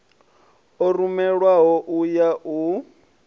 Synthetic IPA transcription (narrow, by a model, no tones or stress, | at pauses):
ɔrumɛɺwaɦɔʔujaʔu